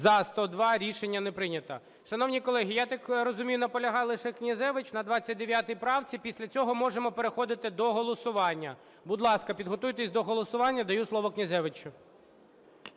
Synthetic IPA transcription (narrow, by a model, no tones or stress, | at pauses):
zɐst̪ɔd̪ʋɑɾʲiʃenʲːɐnɛpɾɪnʲɐt̪ɐ | ʃɐn̪ɔwnʲijkɔlˠɛɦʲijat̪ɑkɾɔzʊmʲijʊnɐpɔlʲɐɦɑjlˠɪʃɛknʲɐzɛʋɪt͡ʃnɐd̪ʋɑt͡sʲːɐt̚ʲd̪eʋʲjat̪ɪjpɾɑwt͡sʲipʲisʲlʲɐt͡sʲɔɦɔmɔʐemɔpeɾexɔd̪ɪt̪ɪd̪ɔɦɔlˠɔsʊʋɑnʲːɐ | bʊd̪lˠɑskɐpʲid̪ɦɔt̪ujt̪esʲd̪ɔɦɔlˠɔsʊʋɑnʲːɐd̪ɐjuslˠɔʋɔknʲɐzɛʋɪt͡ʃʊ